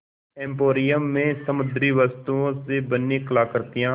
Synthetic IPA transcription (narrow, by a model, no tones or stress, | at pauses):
ɛ̃ːmpoːɾɪjəmːẽːsəmʊd̪ɾiːʋəst̪uːõseːbənːiːklaːkəɾt̪ɪjãː